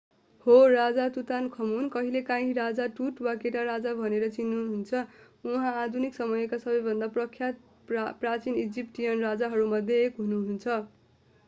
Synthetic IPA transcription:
horad͡zat̪ut̪ankʰʌmunkʌɦilekãɦĩɾad͡zaʈuʈwakeʈaɾad͡zabʱʌneɾʌt͡sinːuɦunt͡sʰʌ | uɦãːd̪ʱuniksʌmʌjʌkasʌbʌjbʱʌnd̪aprʌkʰjat̪̚ | prat͡sinid͡zip̚ʈijʌnrad͡zaɦʌɾumʌd̪ʱjʌkɦunuɦunt͡sʰʌ

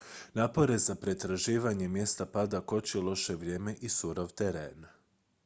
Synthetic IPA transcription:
naːpo̞ɾe̞zapɾe̞t̪ɾaʒiːʋaɲe̞mje̞st̪apad̪ako̞t͡ɕilˠo̞ʃe̞ʋɾje̞ːme̞ʔisuɾoʋt̪eɾeːn

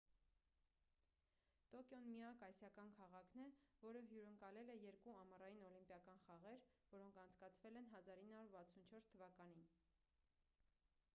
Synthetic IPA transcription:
t̪ɔkjɔnmiɑkɑjsjɑkɑnkʰɑʁɑkʰnɛvɔɾəɦjuɾəŋkɑlɛlɛjɛɾkuɑmərɑjinɔlimpjɑkɑnχɑʁɛɾvɔɾɔŋkʰɑnt͡sʰkɑt͡sʰvɛlɛnɦɑzɑɾinːɑuɾvɑt͡sʰunt͡ʃʰɔɾst̪ʰəvɑkɑnin

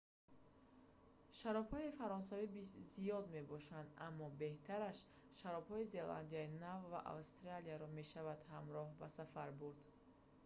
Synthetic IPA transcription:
ʃaɾɔbhɔifaɾɔns̬avibizijɔd̪me̞bɔʃand̪a̰mːɔbe̞ht̪ʰaɾaʃ | ʃaɾɔbhɔize̞la̰nd̪iainavva̰ʔa̰vst̪ɾalijaɾɔme̞ʃavad̪̥hamɾɔhbasafaɾbuɾd̪

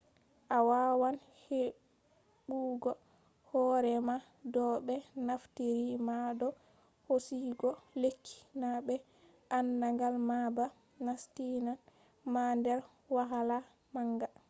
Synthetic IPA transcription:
ʔawawan | he | ɡuːɡɔ | hɔɾɛma | dɔɓɛnaftiɾimadɔ | hosiɡɔlekʰːi̥nabɛ | ʔanːaŋɡalmaba | nastinan | mandɛɾ | waɦala | maŋɡa

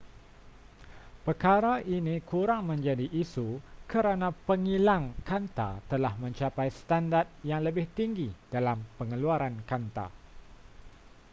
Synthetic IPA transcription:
pərkaɾaʔinĩkuɾaŋmə̃ɲd͡ʒadiʔisukəɾanãpəŋilaŋkant̪a̰t̪əlahmə̃ɲt͡ʃapajsə̥t̪andart̪̚jaŋləbɪht̪iŋɡid̥alampəŋəluaɾankant̪a̰

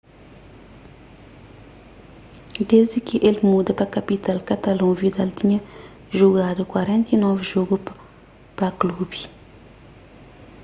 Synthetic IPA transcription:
d̪ezikiʔelmud̪ɐpakapit̪alkat̪alɔ̃vid̪alt̪iɲɐ | ʒuɡad̪ukwaɾɛ̃nt̪inɔvʒoɡup | paklubi

